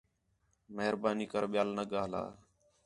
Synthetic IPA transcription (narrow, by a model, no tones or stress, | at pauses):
məɦəɾbaːniːkəɾɓɪjaːlnəɠaːla̰ː